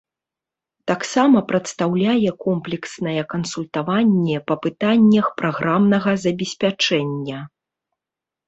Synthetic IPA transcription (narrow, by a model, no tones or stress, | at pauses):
t̪aksamɐpɾɐt̪st̪awlʲajɛkɔmplʲɛksnɐjɛkɐnsulʲt̪avanʲːɛpɐpɨt̪anʲːɐxpɾaɣɾʔamnɐɣɐzɐbʲɛsʲpʲat͡ʂɛnʲːɐ